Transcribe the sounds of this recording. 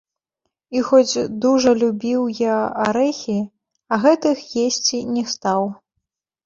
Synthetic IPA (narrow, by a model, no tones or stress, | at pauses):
ixɔd͡zʲd̪uʐɐlʲubʲiwjaaɾɛxʲi | ɐɣɛt̪ɨxjesʲt͡sʲinʲɛst̪aw